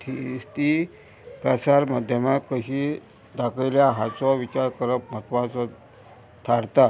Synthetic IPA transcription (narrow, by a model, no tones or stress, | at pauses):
t̪ʰist̪i | pɾasaɾmad̪ʱjəmakːəɕi | d̪akəjljaɦat͡sɔʋit͡ɕaɾkəɾəpm̤ət̪ʋãt͡sɔ | t̪ʰaɽt̪a